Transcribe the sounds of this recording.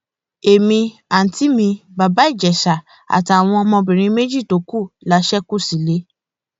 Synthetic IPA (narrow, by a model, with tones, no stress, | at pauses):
e˨mĩ˧a˨n̩˨ti˨˦mĩ˧ba˨ba˨˦i˦˨d͡ʒɛ˨ʃa˨ | a̰˨ti˨a˨w̃ɔ̃˧mɔ̃˧bĩ˨ɾ̃ĩ˧˦me˦d͡ʒi˦˨to˨˦ku˦˨la˨˦ʃɛ˦ku˦˨si˨˦le˨˦